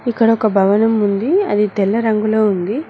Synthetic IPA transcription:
ikːɐɽɐɔkɐbʱɐʋɐnɐmund̪iɐ̰d̪it̪ɛlːɐɾɐŋɡuloːund̪i

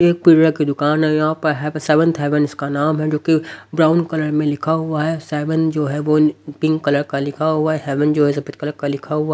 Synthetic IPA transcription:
eːk̚piːɽakid̪ʊkaːnɦɛjɐɦãpɐɾɦɛsɛʋə̃nt̪ʰɛːʋənɪskanaːmɦɛd͡ʒoːkibɾaːʊnkɐləɾmẽlɪkʰaɦʊaɦɛsɛːʋənd͡ʒoːɦɛʋopɪ̃ŋɡkɐləɾkalɪkʰaɦʊaɦɛɦɛːʋənd͡ʒoːɦɛzɐpət̪̚kɐləɾkalɪkʰaɦʊaɦ

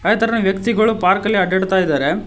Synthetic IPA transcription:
ɐɐt̪ːɐɾɐnɐʋjɐkt̪ɪɣɐɭɯpaːɾkɐleɐɖɛɽɯt̪ːaːjɪðɐːɾɐ

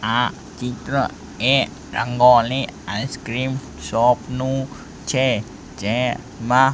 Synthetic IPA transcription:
ʔa | t͡ʃit̪ɾə | ɛ | ɾa̰ŋɡɔliaskɾim | sɔp̚nu | t͡ʃe | t͡ʃɛ | ma

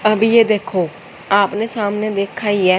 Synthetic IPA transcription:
əbiːeːd̪eːkʰːoː | aːpneːsaːmneːd̪eːkʰːaːiːɛː

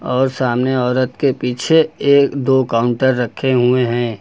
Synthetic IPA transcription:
ɔːɾsaːmneɔːɾət̪kepiːt͡ʃʰeeːkd̪oːkaːʊ̃ɳʈəɾːəkʰːeɦueɦɛ̃ː

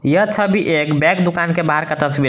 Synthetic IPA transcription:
jət͡ʃʰəbʱiʔekbɛ̃kd̪ukankebaɦəɾkət̪əsbiɾ

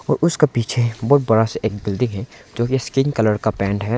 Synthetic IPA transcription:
ɔːɾʊskepiːt͡ʃʰebɔːt̪̚bɐɽaseʔeːk̚bɪld̪ɪŋɦɛ̃d͡ʒoːkiskɪnkɐləɾkapɛ̃ːɳʈɦɛ

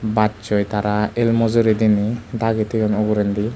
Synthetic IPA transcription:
bat̚t͡ʃɔjt̪aɾaelmɔzɔɾed̪inid̪aɡɛt̪ʰɯjɔnɔɡɔɾɛnd̪i

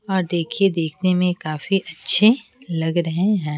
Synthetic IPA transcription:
ɔːɾd̪eːkʰied̪eːkʰnemẽkaːfiʔɐtːʃʰe | lɐɡɾɐɦẽɦɛ̃ː

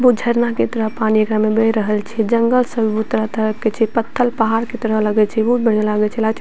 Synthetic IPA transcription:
bud͡ʒʱəɾnaket̪əɾəɦpaniekɾamebeɾəɦəlt͡ʃʰɛd͡ʒəŋɡəlsəbʱibut̪ːɾat̪əɾəpket͡ʃʰɛpət̪ʰːəlpaɦaɾket̪əɾələɡɛt͡ʃʰɛbut̪̚bəɳ̤ialaɡɛt͡ʃʰɛlat͡ʃʰ

